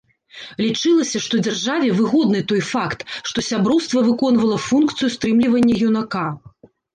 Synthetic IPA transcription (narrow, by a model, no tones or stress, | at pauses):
lʲit͡ʂɨlˠɐsʲɐʂt̪ɔd͡zʲarʐavʲɛvɨɣɔd̪nɨt̪ɔjfakt̪ʂt̪ɔsʲabɾɔwst̪vɐvɨkɔnvɐlˠɐfunkt̪sɨjust̪ɾɨmlʲivɐnʲːɐjʲunaka